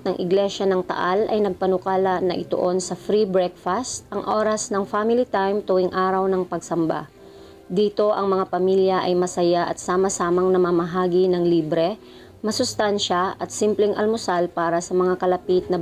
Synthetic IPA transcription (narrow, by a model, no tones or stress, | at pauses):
nɐŋʔɪɡlɛʃɐnɐŋt̪ɐ̰ʔalɐ̰jnɐɡ̚pɐnʊkaːlɐnɐʔɪt̪ʊ̰ʔo̞nsɐfɾibɹɛk̚fɐst̪ʔɐŋʔo̞ɾɐsnɐŋfamɪlit̪ajmt̪ʊwɪŋʔaːɾɐwnɐŋpɐɡ̚sɐmba̰ | d̪iːt̪o̞ʔɐŋmɐŋapɐmiljɐʔɐjmɐsɐjaʔɐ̰t̪̚saːmɐsaːmɐŋnɐmɐmɐɦaːɡinɐŋliːbɾɛ | mɐsʊst̪anʃɐʔɐt̪̚simplɛŋʔɐ̰lmʊsalpaːɾɐsɐmɐŋakɐlɐpit̪̚nɐ